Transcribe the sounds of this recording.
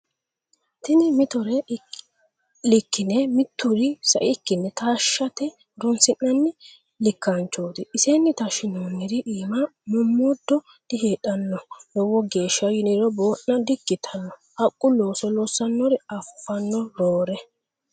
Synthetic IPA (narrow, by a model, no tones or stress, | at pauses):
t̪ɪnɪmɪt̪ɔɾɛ | lɪkːɪnɛmɪt̪ːʊɾɪsɐ̰ʔɪkːɪnːɛt̪aːʃːɐt̪ɛ | ɾɔnsɪnːɐnːɪ | lɪkːant͡ʃːoːd̪ɪʔːsenːɪt̪ɐʃɪnoːnːɪɾɪʔiːmɐmʊmːɔd̪ːɔ | d̪̥ɪheːᶑɐnːɔnɔwɔɡe̞ːʃːɐjɪnɪɾɔboːʔnɐd̪ɪɡːɪt̪ʰɐnːɔʔɐkʼːʊloːsɔloːsɐnːɔɾɪɐfːɐnːɔɾoːɾɛ